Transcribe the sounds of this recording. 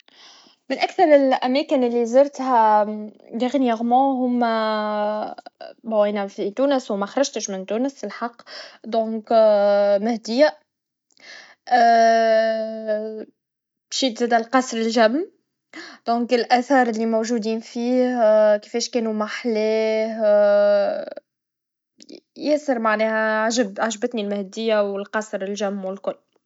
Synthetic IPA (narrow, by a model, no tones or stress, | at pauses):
mɪnʔækθɑɾˤɪlʔæmɛːkɪnɪlːizɪɾˤt̪hæ | d̪æɣnjɛɣmɑ̃ɦʊm | bæwinæfit̪uːnəswmæxɑɾˤɑʒt̪əʃmɪnt̪uːnəsɪlħɑqːd̪ɔ̃ːk | mæhd̪ɪjæ | ʃiːt̪zɛːd̪ælqɑsˤɾɪlʒæmː | d̪̥ɔ̃ːŋkɪlʔæθɑːɾˤɪlːimowʒuːd̪iːnfiːhki̥fɛːʃkɛːnumaħlɛːh | jɛsəɾmaʕnɛːhæʕaʒəbʕaʒbət̪nilmæhd̪ɪjːawɪlqɑsɾɪlʒæmːwɪlkʊlː